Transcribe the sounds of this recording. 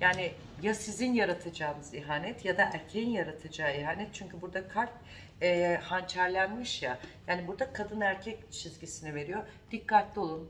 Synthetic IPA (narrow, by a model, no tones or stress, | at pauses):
jaːni | jasizinjaɾat̪ʰad͡ʒaːɯnɯziɦaːnɛt̪jad̪aʔæɾcʰejinjaɾat̪ʰad͡ʒaːiɦaːnɛt̪̚t͡ʃʰyɲcybuɾd̪akʰaɾk | ɛhant͡ʃʰaɾlʲænmiʃjajaːnibuɾd̪akʰad̪ɯnæɾcʰɛct͡ʃʰizɟisinive̞ɾijo̞d̪̥ikʰːat̪lʲio̞lˠun